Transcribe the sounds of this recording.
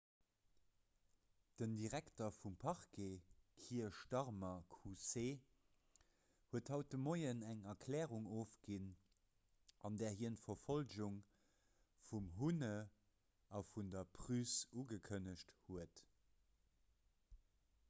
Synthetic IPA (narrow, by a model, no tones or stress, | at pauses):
d̥əndiʁæktɐfumpʰɑʁkekʰiːɐʃtɑʁmɐkʰuseː | huəthɑʊt̚dəmoɪənæŋɐkʰlɛːʁuŋoːfɡin | ʔɑndɛːɐɦiəntfɐfolʑuŋ | fumɦunə | ɑfundɐpʰʁysuɡəkʰənəɕthuət